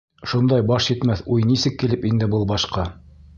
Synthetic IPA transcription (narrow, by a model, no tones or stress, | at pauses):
ʃund̪ɑjbɑʃjɘ̆t̪mæθujnisɘkːilɘpind̪ɘbɤlˠbɑʃqɑ